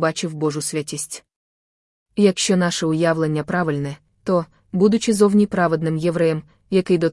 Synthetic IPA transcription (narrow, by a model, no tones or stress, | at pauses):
bat͡ʃɪwbɔʐʊsʲʋʲatʲisʲtʲ | jɐkʃt͡ʃɔnaʃɛʊjawlˠenʲːɐpɾaʋɪlʲnɛ | t̪ɔ | bud̪ʊt͡ʃɪzɔwnʲipɾaʋɛd̪nɪmjɛʋɾɛjɛm | jɐkɪjd̪ɔ